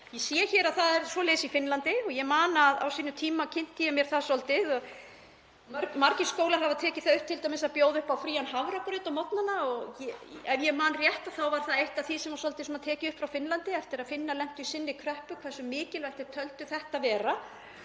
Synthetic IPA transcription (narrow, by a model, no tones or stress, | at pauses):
jɛsjːɛçɛːɾaðθaðɛɾswɔlɛːsifɪnlant̪ɪɔɣjɛmaːnaːða̰wsiːnʏt̪ʰiːmacʰɪn̥t̪ijɛmjɛɾ̥θasɔlt̪ɪðɔɣ | ɾmaɾcɪskoːwlaɾ̥ɦavat̪ʰɛːcɪ̥θaðʏhpt̪ʰɪlt̪ajmɪsaðpjoːwðʏhpawfɾiːanɦavɾakɾʏːt̪ɔmɔt̪nanaɔɣjɛɛvjɛmaːnrjɛht̪aθawvaɾ̥θaðejht̪aθisɛmaɾsɔlt̪ɪsmat̪ʰɛːcɪʏhpfɾawfɪnlant̪ɪɛft̪ɪɾaðfɪnːalɛm̥t̪ʏisɪnːɪkʰɾœhpʏkʰvɛsʏmɪːcɪlvajht̪ɪ̥t̪ʰœlt̪ʏθɛht̪avɛːɾa